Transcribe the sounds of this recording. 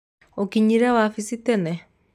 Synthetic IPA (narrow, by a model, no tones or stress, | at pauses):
okiɲiɾɛwafisitɛnɛ